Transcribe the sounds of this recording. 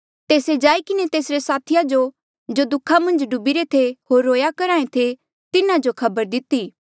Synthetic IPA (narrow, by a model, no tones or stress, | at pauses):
t̪eːsed͡ʒaːikɪnet̪eːsɾesaːt̪ʰɪjad͡ʒo | d͡ʒod̪ʊkʰːamɐ̃nd͡ʒɖʊbiɾet̪ʰeɦoːɾːoːjakɐɾaːẽt̪ʰe | t̪ɪnãd͡ʒokʰɐbəɾd̪ɪt̪iː